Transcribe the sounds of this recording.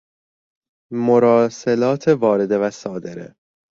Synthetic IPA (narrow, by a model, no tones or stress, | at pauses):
moɾɒːselɒːt̪ʰe̞vɒːɾe̞d̪e̞væsɒːd̪e̞ɾḛ